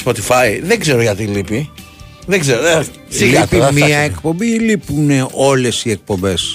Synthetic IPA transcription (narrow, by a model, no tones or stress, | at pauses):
spo̞t̪ifɐiðeɡze̞ɾoʝɐt̪ilipi | ðeɡzeɾo | siipimɐekpo̞mbilipuneo̞le̞sie̞k̚po̞mbe̞s